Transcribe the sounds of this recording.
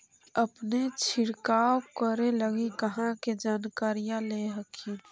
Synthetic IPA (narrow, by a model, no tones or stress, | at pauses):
əpnet͡ʃʰɪɽkaːwkəɾeləɡikəɦãked͡ʒaːnkaːɾijãleɦəkʰi